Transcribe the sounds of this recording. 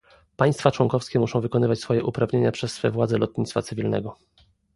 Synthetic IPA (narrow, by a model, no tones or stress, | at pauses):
paj̃st̪fat͡ʂwɔŋkɔfskʲɛmuʂɔ̃w̃vɘkɔnɘvat͡ɕsfɔjɛʔupɾavɲeɲapʂɛsːfɛvwad̪zɛlɔt̪̚ɲʲit̪sfatsɘvʲilnɛ̰ɡɔ